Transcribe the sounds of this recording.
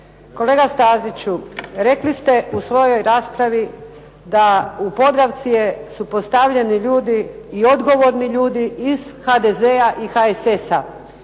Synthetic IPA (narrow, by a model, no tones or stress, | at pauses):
ko̞le̞ːɡast̪aːzit͡ɕuɾe̞klist̪e̞ʔusʋo̞jo̞jɾaːspɾaʋi | d̪aupo̞d̪ɾaʋt̪sije̞supo̞st̪aʋʎeniʎuːd̪iːo̞d̪ɡo̞ʋo̞ɾniʎuːd̪iiz̥xad̪ezeaʔixaesesa